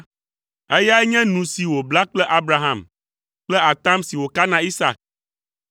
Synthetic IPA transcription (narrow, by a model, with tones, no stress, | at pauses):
e˦ja˦ɛ˦ɲɛ̃˦nũ˨si˨wo˨bla˦k͡plɛ˦ʔa˦bɾa˦ɦã˦˨m | k͡plɛ˦a˨t̪ã˦msi˨wo˨ka˦nã˨i˦sa̰˨k̚